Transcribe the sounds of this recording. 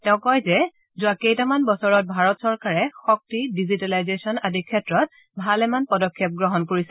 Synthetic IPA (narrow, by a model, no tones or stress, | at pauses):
tɛʊ̃kɔjzɛ | zʊakejtamanbɔsɔɹɔt̚bʱaɹɔtsɔɹkaɹɛxɔk̚tidizitalajzesɔnadikʰːɛtɹɔt̚ | bʱalɛmanpɔdɔkʰːjɛp̚ɡɹɔɦɔnkoɹisɛ